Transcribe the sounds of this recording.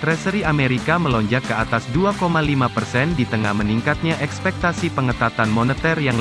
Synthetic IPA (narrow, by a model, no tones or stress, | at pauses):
t̪ɾɛsəɾiameɾikaməlɔɲd͡ʒakːəat̪asduakomalimapərsɛndit̪əŋa̰hməniŋkat̪̚ɲaʔɛkspɛk̚t̪asipəŋət̪at̪anmɔnət̪ərjaŋ